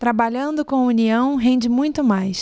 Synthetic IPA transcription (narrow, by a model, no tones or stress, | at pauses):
t̪ɾabaʎɐ̃nd̪ʊkõuniɐ̃w̃ɦẽnd͡ʒɪmũj̃t̪ʊmajs